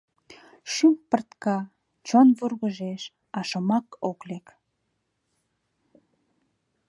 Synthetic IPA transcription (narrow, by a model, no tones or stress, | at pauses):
ʃympərt̪kɑ | t͡ɕonβurɣəʒeʃ | ɑʃəmɑkoklek